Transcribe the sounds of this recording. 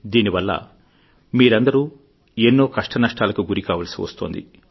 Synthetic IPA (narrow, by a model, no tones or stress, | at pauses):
d̪iːniʋɐlːɐ̰ | miːɾɐnd̪ɐɾuː | enːo̞ːkɐʂʈɐnɐʂʈaːlɐkuɡuɾikaːʋɐlɐsiʋɐ̰st̪oːnd̪ḭ